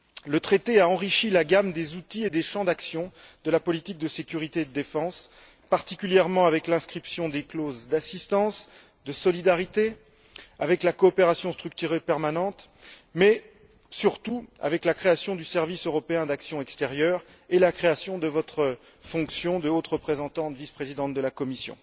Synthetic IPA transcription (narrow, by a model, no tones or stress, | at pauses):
lət̪χet̪eaɑ̃ʁiʃilaɡamd̪ezut̪ied̪eʃɑ̃d̪aksjɔ̃d̪əlapɔlit̪ik̚d̪əsekʲyʁit̪ed̪əd̪efɑ̃s | paʁt̪ikʲyljɛʁmɑ̃avɛklɛ̃skχipsjɔ̃d̪eklozd̪asist̪ɑ̃s | d̪əsɔlid̪aʁit̪e | avɛklakɔːpeʁasjɔ̃st̪χyk̚t̪yʁepɛʁmanɑ̃t̪ | mɛ | syʁt̪ua̰vɛklakχeasjɔ̃d̪ysɛʁvisøʁɔpeɛ̃d̪aksjɔ̃ɛkst̪ɛʁjœʁ | elakχeasjɔ̃d̪əvɔt̪χə | fɔ̃ksjɔ̃d̪əot̪ʁəpχezɑ̃t̪ɑ̃t̪vispχezid̪ɑ̃t̪̚d̪əlakɔmisjɔ̰̃